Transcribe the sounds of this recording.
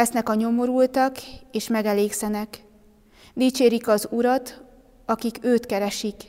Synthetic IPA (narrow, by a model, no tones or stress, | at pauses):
ɛsnɛkɒɲo̞mo̞ɾult̪ɒkeːʃmɛɡɛleːksɛnɛk | d̪iːt͡ʃeːɾikɒzuɾɒt̪ | ɒkikøːt̪kɛɾɛʃik